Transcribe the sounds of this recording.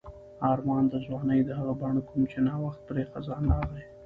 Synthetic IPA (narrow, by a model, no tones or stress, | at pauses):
ɑɾmɑnd̪əʒwɑnəjd̪əɦaɣabɑɳokumt͡ʃenɑwaxt̪̚pɾexazɑnɑɣle